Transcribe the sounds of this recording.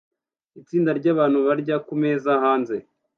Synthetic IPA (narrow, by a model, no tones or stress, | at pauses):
it͡siːndaɾɟaːβaːn̥huβaɾɟakume̞ːzaɦaːnze̞